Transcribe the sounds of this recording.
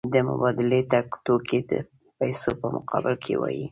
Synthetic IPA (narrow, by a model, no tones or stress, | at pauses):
d̪əmʊ̰bɑd̪ɪlet̪akt̪okʰed̪ə̰ | pajsopəmʊqɑbɪlkʰewɑ̰ji